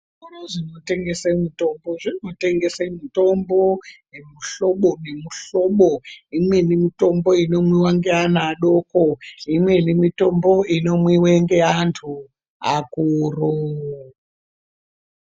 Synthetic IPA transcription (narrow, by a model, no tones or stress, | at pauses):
oɾoʐino̞te̞ŋɡe̞semito̞mbo̞ʐino̞te̞ŋɡe̞semito̞mbo | emuɬo̞ɓonemuɬo̞ɓoimwe̞nimito̞mbo̞ino̞mwiwaŋɡeanaɗo̞ːkoimwe̞nimito̞mbo̞ino̞mwiweŋɡe̞antʰu | akuro